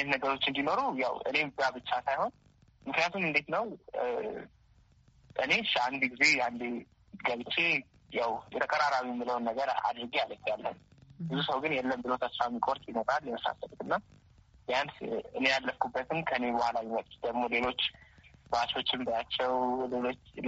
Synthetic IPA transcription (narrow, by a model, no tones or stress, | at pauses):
net̪nəɡəɾo̞t͡ʃːɨnd̪ino̞ɾujawɨ̰ne̞zabɨt͡ʃːasajho̞n | mɨknijat̪ʰumɨnd̪et̪nəw | ʔɨne̞ʃaand̪iɡize̞and̪e | ɡəβɨt͡ʃʰːe | jawjɛt̪ʰəkʼəɾaɾaβwiɛmːɨləwnːəɡəɾa̰d̪ɾɨɡialəfjalːə̰nbɨzusəwɡɨnjɛlːəmbɨlo̞t̪ʰəsɾamːikʼo̞ɾt̪ʼjɪnot̪ʼaljɛməsa̰səlut̪ɨnːa | jansɨ̰ne̞jalːəfkubːət̪ʰɨnkʰəɨne̞bəhʷalawimək̚ʼt̪ʼd̪əɡmo̞le̞lo̞t͡ʃːbat͡ʃo̞t͡ʃːɪmd̪ajat͡ʃːɛwlelo̞t͡ʃː